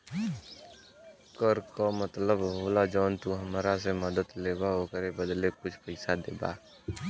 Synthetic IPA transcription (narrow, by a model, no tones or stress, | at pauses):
kəɾkomət̪ləbɦoːlad͡ʒɔːnt̪uɦəmɾas̬eməd̪ət̪leːbaɦoːkəɾebəd̪lekʊt͡ʃʰpəɪsad̪ḛːba̰ː